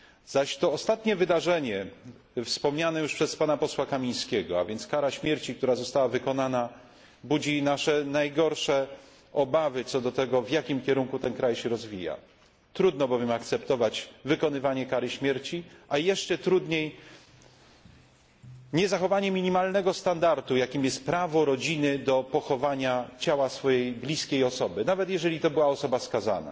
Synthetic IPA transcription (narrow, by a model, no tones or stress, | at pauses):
z̥aɕt̪ɔːst̪at̪ɲɛvɘd̪aʐɛɲɛ | fspɔmɲanɛjuʂpʂɛspanapɔswakamʲij̃skʲɛɡɔa̰vʲjɛnt̪skaɾaɕmʲjɛɾt͡ɕik̚t̪uɾazɔst̪awavɘkɔnana | bud͡ʑinaʂɛnajɡɔɾʂɛ | ɔbavɘt̪sɔd̪ɔt̪ɛɡɔvjakʲimkʲɛɾuŋkut̪ɛnkɾajɕɛɾɔzvʲija̰ | t̪ɾud̪nɔbɔvʲjɛmak̚t̪sɛpt̪ɔvad͡ʑvɘkɔnɘvaɲɛkaɾɘɕmʲjɛɾt͡ɕiʔajɛʂt͡ʂɛt̪ɾud̪ɲej | ɲɛzaxɔvaɲɛmʲiɲimalnɛɡɔst̪and̪aɾt̪ujakʲimjɛst̪̚pɾavɔɾɔd͡ʑinɘd̪ɔpɔxɔvaɲat͡ɕawasfɔjejblʲiskʲejɔsɔbɘnavɛt̪jɛʐɛlʲit̪ɔbɘwaɔsɔbaskaza̰na̰